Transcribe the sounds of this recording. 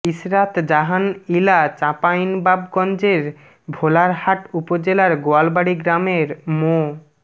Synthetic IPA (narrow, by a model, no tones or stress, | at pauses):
isɾat̪d͡ʑaɦanilat͡ɕapajnbabɡɔnd͡ʑeɾ | bʱolaɾhaʈupod͡ʑelaɾɡoalbaɽiɡɾameɾmo